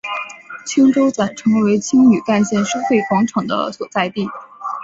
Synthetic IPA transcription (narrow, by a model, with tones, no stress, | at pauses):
t͡ɕʰi˥ŋʈ͡ʂo˥ʊt͡swa˨˩nʈ͡ʂʰɤ˧˥ŋwe˧˥ɪt͡ɕʰi˥ŋny˨˩ka˥˧nɕjɛ˥˩nʂo˥fe˥˩ɪkwɑ˧˥ŋʈ͡ʂʰɤ˨˩ŋd̪ə̰˦swɔ˨˩t͡sa˥˧ɪt̪i˥˩